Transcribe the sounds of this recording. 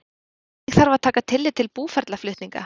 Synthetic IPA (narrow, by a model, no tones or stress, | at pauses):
ɛɣθaɾvaðt̪ʰaːkat̪ʰɪlːɪt̪ʰɪlpuːfɛɾt̪laflʏht̪niŋka̰